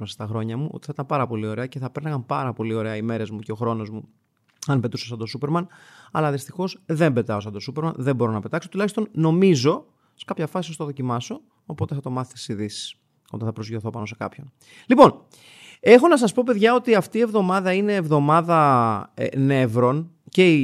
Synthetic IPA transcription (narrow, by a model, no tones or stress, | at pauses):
ɐse̥st̪ɐxɾo̞ɲɐmuʔot̪i̥θit̪ɐmpɐɾɐpo̞lio̞ɾe̞ɐce̞θɐpeɾnɐɣɐmpɐɾɐpo̞lio̞ɾe̞ɐime̞ɾe̞zmuceo̞xɾo̞no̞zmu | ɐnpe̞t̪uses̬ɐnd̪osupe̞ɾmɐnɐ̰lɐðist̪ixo̞zðe̞mbe̞t̪ɐos̬ɐnd̪osupeɾmɐnðe̞mbo̞ɾo̞nɐpe̞t̪ɐksot̪ulɐçist̪o̞nno̞mizo̞ | se̥kɐpçɐfɐsisost̪oðo̞cimɐso̞ː | po̞t̪eθɐt̪o̞mɐθet̪isiðisi̥s | ot̪ɐθɐpɾo̞zʝoθo̞pɐno̞se̞kɐ̰pço̞n | lipo̞n | e̞xo̞nɐs̬ɐspo̞pe̞ðʝɐo̞t̪iɐft̪iːe̞vðo̞mɐðɐineːvðo̞mɐðɐ̰ | ne̞vɾo̞nce̞i